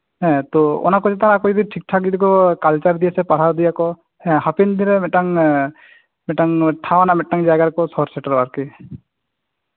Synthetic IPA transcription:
ɦɛ̃t̪ɔɔ̰nakɔd͡ʒɛt̪aɾakɔd͡ʒɔd̪iʈʰik̚ʈʰaɡid̪ikɔkalt͡ʃaɾd̪ijasɛpaɾʰaɾd̪ijakɔ | ɛ̃hapind̪iɾɛmɛʈaŋ | mɛʈaŋʈʰawanamɛʈːaŋd͡ʒaɡaɾkɔsɔɾsɛʈaɾaɾki

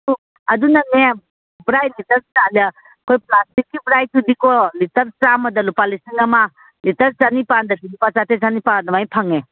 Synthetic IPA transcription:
u | ɐdunɐne | bɾajlitɐɾsala | kʰojplastikːibɾajtʰudikolitɐɾt͡ʃamɐdɐlupalisiŋɐma | litɐɾt͡ʃanipandɐdilupat͡ʃatet͡ʃanipadɐmajpʰaŋe

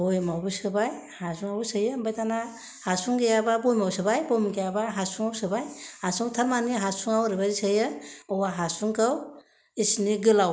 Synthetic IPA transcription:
bojmabusɯbaj | hasuŋawusɯjɯmbajtʰana | hasuŋɡejababojmawsɯbajbojmɡejabaɦasuŋawsɯbajhasuŋtʰaɾmaniɦasuŋawɾibazisajɯɔwaɦasuŋkaw | isniɡɯlaw

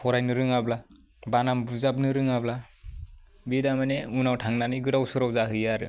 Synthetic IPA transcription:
pʰɔɾajnɯɾɯŋabla | banambuzap̚nɯɾɯŋabla | bidamaneunawtʰaŋnaniɡɯdawsɯɾawzaɦɯjaɾɯ̰

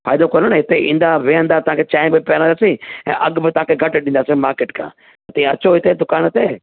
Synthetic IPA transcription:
faːɪd̪okɐnonɦɪt̪eʔĩːn̆d̪aʋeɦə̃nd̪at̪ɐãkʰet͡ɕaːɪ̃bɪpjaːɾə̃nd̪aːsiɛ̰̃ːʔɐɠbɪt̪ɐʋãkʰeɡʱɐʈɗĩnd̪aːsemaːɾkeːʈkʰã̰ː | t̪ɐĩɐt͡ɕoɦɪt̪ed̪ʊkaːnt̪eː

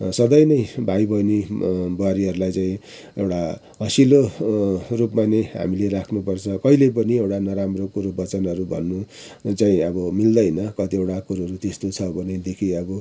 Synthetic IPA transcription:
sʌd̪ʌjnʌjbʱajbʱʌjnibʌwaɾiɦʌɾulajt͡saĩ | ewʈa | ɦʌsilo | rupmaneɦa̰milerakʰnupʌrt͡sʰʌkʌilep̬ʌniewʈanʌɾamrokuɾubʌt͡sʌnʌɾubʱʌ̰nːu | t͡saĩʌbʌmild̪ʌjnʌkʌt̪iewʈakuɾʌɾut̪est̪ot͡sʰʌbʱʌned̪ekʰiʌbʌ

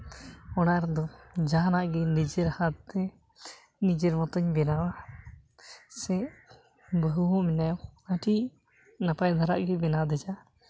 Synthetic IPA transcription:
ɔnaɾd̪ɔd͡ʒaɦnaʔɡɛnid͡ʒɛɾhat̪̚t̪ɛ | nid͡ʒɛɾmɔt̪ɔɲbɛnawa | sɛ̃ʔ | bəɦuɦɔ̃mɛnajɔaʈi | napajd̪ʱaɾa̰ʔɡɛbɛnad̪ɛd͡ʒa

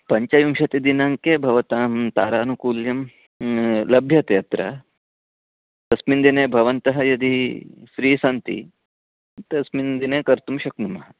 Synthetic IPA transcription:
pɐɲt͡ʃɐjumʃɐt̪id̪inaŋkebʱɐʋɐt̪aːmt̪a̰ːɾaːnukuːljɐm | lɐbʱjɐt̪jɐt̪ɾɐ̰ | t̪ɐsmind̪ineːbʱɐʋɐnt̪ɐɦɐjɐd̪isɾiːsɐnt̪ḭ | t̪ɐsmind̪ineːkɐɾt̪umʃɐknumɐɦɐ

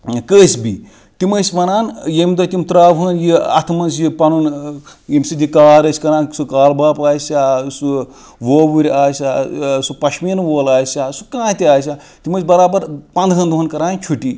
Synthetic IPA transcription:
kəːsʲbḭ | t̪imɐsʲmɐnaːnjemid̪ot̪ʲimt̪ɾaːʋɦəːnjiɐ̰t̪ʰmɐnsjipɐnun | jimsid̪ikaːɾəsʲkɐɾãːnsukaːlbaːpaːsʲasu | ʋoːbuɾʲaːsʲasupɐʃminʋoːlaːsʲaːsu̥kãːt̪iaːs̬ʲa | t̪imɐsʲbɐɾaːbɐɾpɐ̃nd̪ɦɐnd̪ɦunkɐɾaːnt͡ʃʰuʈiː

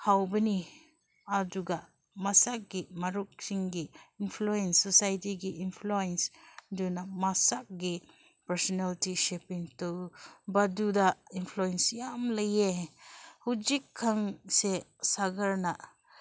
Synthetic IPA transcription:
hawbəni | aduɡa | masak̚ɡimaɾuk̚siŋɡiːnpʰluɛnsːɔsajtiɡiʔinpʰluensdunamasak̚ɡi | paɾsɔnaltiʃepiŋtɔwbadudainpʰluɛnsjamləje | hud͡ʒikʰːaŋsesaɡaɾna

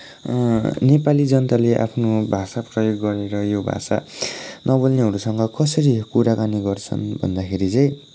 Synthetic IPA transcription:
nepalid͡zʌnʌt̪aleʔa̰pʰnobʱasaprʌjoɡːʌɾeɾʌjobʱa̰sa̰nʔʌbʌlneɦʌɾusʌŋɡʌkʌsʌɾikuɾakaniɡʌrt͡sʰʌ̰nbʱʌ̰nd̪akʰeɾit͡sʌ̃j̃

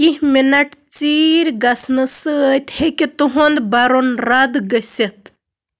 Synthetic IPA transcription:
kihminɐʈt͡siːɾʲɡɐsnɨsət̪hekit̪uɦond̪bɐɾonɾad̪ɡəsʲet̪

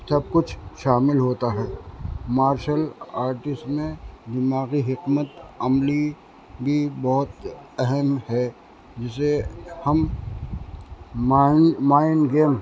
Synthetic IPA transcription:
sɐb̚kʊt͡ʃʰʃaːmɪlɦoːt̪aɦɛːmaːɾʃəlaːɾʈɪsʈmẽbɪmaːɣiɦɪkmət̪ɐmli | bʱibɔɦʊt̪ɛɦɛmhɛ | d͡ʒɪsehɐm | ɪnmaːɪnɡeːm

